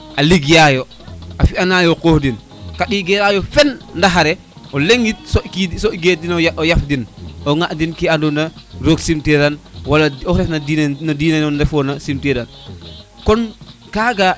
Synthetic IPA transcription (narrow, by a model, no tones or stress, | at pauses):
ʔaliɡjajɔ | ʔafiʔanajɔkohdin | kaɗiɡɛɾajɔfɛnndaɦaɾɛ | ʔɔleŋɡit̚sɔkidsɔɡedinɔjɔjafdinɔŋaʔdinkiandunaɾoɡsimtɛɾanwalaɔɾɛfnadinnadiːnanɔndɛfɔnasimtɛdan | kɔnkaɡa